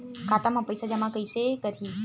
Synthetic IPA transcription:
kʰat̪amãpəjsad͡ʑamãkəjsekəɾi

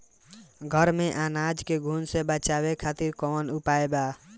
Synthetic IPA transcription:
ɡʱəɾmẽʔaːnaːd͡ʒkeɡʱuːnsebət͡ʃaːwekʰaːt̪ɪɾkɔːnʊpaːebaː

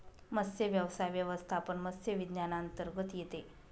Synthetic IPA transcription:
məsjəʋjəʋsajʋjəʋəst̪ʰapəɳməsjəʋid̪njanaənt̪əɾɡət̪jet̪e

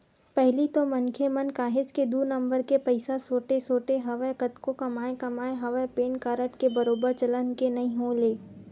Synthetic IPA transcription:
pɛɦlit̪omɐ̃nkʰemɐnkaːɦɪd͡ʒked̪uːɾnɐ̃mbəɾkepɐɪsasoːʈesoːʈeɦɐʋəkɐt̪kokɐmaːekɐmaːeɦɐʋəpeːnkaːɾəʈkebɐɾoːbəɾt͡ʃɐlənkenɐɦĩɦõːleː

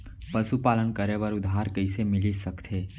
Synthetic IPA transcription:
pəsupaːlənkəɾeʋəɾʊd̪aɾkəisemɪlisəkt̪ʰe

